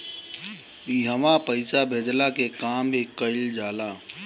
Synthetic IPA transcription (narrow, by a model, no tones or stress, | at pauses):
iɦəmapəɪsabʱeːd̪lakekaːmbʱikəɪld͡ʒaːlaː